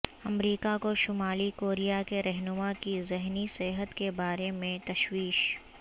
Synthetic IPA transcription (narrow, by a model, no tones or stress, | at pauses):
ɐmɾiːkakoʃʊmaːlikoːɾijakeɾɛɦnʊmakizɛɦniseɦət̪kebaːɾemẽt̪ɐʃwiːʃ